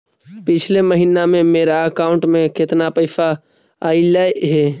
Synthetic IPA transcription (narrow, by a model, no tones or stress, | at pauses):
pɪt͡ʃʰleməɦiːnamẽmeːɾaəkaːʊ̃ɳʈmẽkɪt̪napəɪfa | ailaeɦɛː